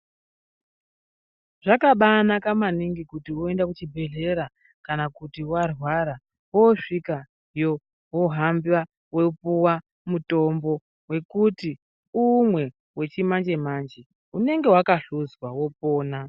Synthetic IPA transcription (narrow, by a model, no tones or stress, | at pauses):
ʐ̥akaɓanakamaniŋɡikutiwoe̞ndakut͡ʃibʱe̞ɮe̞ɾa | kanakutiwarwaɾa | wo̞ʂika | jo | wo̞ɦambwa | weupuwa | muto̞mbo̞ | we̞kuti | umwe̞ | we̞t͡ʃimand͡ʒe̞mand͡ʒe | une̞ŋɡe̞wakaɬuzwawo̞p̚oːna